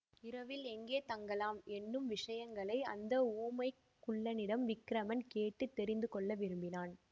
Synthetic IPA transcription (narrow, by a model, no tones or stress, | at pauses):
ɪɾɐʋɪlɛŋɡeːt̪ɐŋɡɐlaːmɛnːɯmʋɪʂɐjɐŋɡɐɭɐɪɐ̰nd̪ɐuːmɐɪkkːʊɭːɐnɪɽɐmʋɪkːɪɾɐmɐnkeːʈːɯt̪ːɛɾɪnd̪ɯkɔɭːɐʋɪɾɯmbɪnaːn